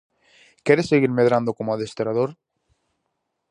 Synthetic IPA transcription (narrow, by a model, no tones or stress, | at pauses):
kɛɾesːeɣiɾmeðɾand̪okomoaðest̪eɾaðoɾ